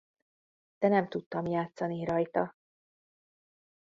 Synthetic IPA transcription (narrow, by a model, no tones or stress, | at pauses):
d̪̥ɛnɛmt̪ut̪ːɒmjaːt̪sɒniɾɒjt̪ɒ